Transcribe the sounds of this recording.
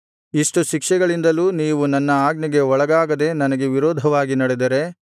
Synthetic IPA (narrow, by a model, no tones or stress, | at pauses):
iʂʈuʃikʂɛɡɐɭind̪ɐluːniːʋunɐnːɐaːɡnɐɡe̞ɔɭɐɡaːɡɐd̪e̞nɐnɐɡe̞ʋiɾɔːd̪ʱɐʋaːɡinɐɽed̪ɐɾe̞